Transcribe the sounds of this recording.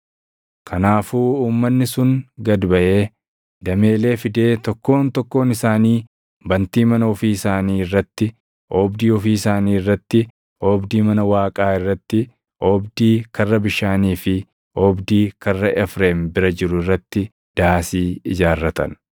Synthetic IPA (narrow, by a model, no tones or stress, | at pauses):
kʰɐnaːfuːuːmːɐnːɪsʊŋɡɐd̪bɐʔe̞ː | d̪ɐmeːle̞ːfɪd̪e̞ːt̪ɔkːo̞ːnt̪ɔkːo̞ːnɪsaːniː | bɐnt̪iːmɐnɐɔfiːɪsaːniːɪrːɐt̪ːɪ | oːbd̪iːɔfiːɪsaːniːɪrːɐt̪ːɪ | oːbd̪iːmɐnɐwaːkʼaːɪrːɐt̪ːɪ | ʔɔːbd̪iːkɐrːɐbɪʃaːniːfɪ | ɔːbd̪iːkɐrːɐʔɛfɾeːmbɪɾɐd͡ʒɪɾʊɪrːɐt̪ːɪ | d̪̥aːsiːɪd͡ʒaːrːɐt̪ɐ̰n